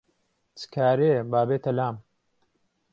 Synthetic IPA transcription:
t͡sɨ̥kʰaːɾeːbaːbeːt̪ʰɐlaːm

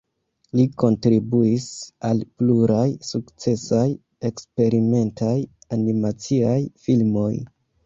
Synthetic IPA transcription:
liko̞ntɾibuisalpluɾajsukt͡se̞saj | e̞kspe̞ɾime̞ntajanimat͡siajfilmo̞j

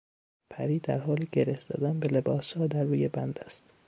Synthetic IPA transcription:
pʰæɾiːd̪æɾɦɒːliɟeɾefd̪ɒ̰ːd̪ænbelebɒːshɒːd̪æɾːuːjebænd̪æst̪

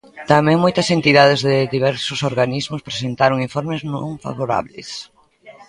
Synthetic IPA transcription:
t̪amɛ̃ŋmojt̪ɐsent̪iðaðɪzðɪðiβɛɾsʊsoɾɣanizmʊspɾesent̪aɾoŋiɱfɔɾmɪznõ̰ŋfa̰βoɾa̰βlḛs

